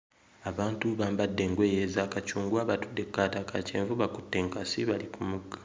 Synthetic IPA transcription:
aβaːntuβaːmbadːe̞ŋɡwe̞ːje̞zakat͡ʃuːŋɡwaβatudːe̞kːaːtaka̰t͡ʃḛːɱvuβakutːe̞ːŋkasiβalikumuɡːḁ

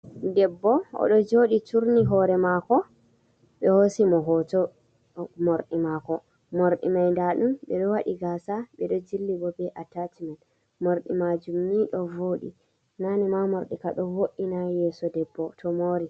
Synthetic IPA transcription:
dɛbːɔɔ̰ɗɔd͡ʒoɗit͡ʃuɾniɦɔɾɛmakɔ | ɓɛhosimɔɦɔtɔ | moɾɗimakɔ | moɾɗḭmajndaɗumɓɛɗɔwaɗiɡasaɓɛɗɔd͡ʒilːibɔbɛʔatatimɛn | moɾɗimad͡ʒumːiɗɔvoːɗḭ | nanimamoɾɗikaɗɔwoɗːinajɛːsɔdɛbːɔtʰɔmoːɾi

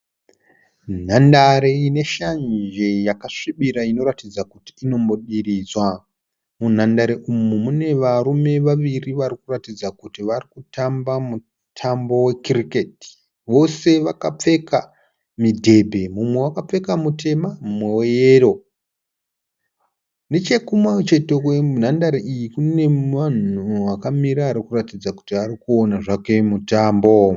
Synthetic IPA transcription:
n̤andaɾeine̞ʃand͡ʒe̞jakaʂiɓiɾaino̞ɾatid͡zakuti̥ːno̞mbo̞ɗirizwa | mun̤andaɾeʔumumune̞ʋaɾume̞ʋaʋiriʋarikuratid͡zakutiʋarikutʰambamu | tʰambo̞we̞kiriketi̥ | ʋo̞se̞ʋakap͡fe̞ka | midʱe̞bʱe̞mumwe̞wakap͡fe̞kamutʰe̞mamumwe̞wejeːro̞ | net͡ʃe̞kumat͡ʃe̞tekwen̤andaɾiʔijikune̞ʋan̤uʋakamiɾaːɾikuratid͡zaku̥tiʋarikuonaʐake̞mutaːmbo̞

